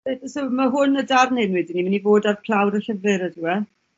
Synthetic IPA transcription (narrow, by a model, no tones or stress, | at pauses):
edəsomaɦʊnədarnɪnwɛdinimənivoːdarpʰl̥ˠawɾəɬəvɨɾəduwɛ